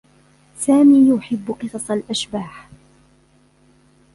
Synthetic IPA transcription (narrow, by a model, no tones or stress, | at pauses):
saːmiːjʊħɪbːʊqɨsˤɑsˤalʔaʃbaːħ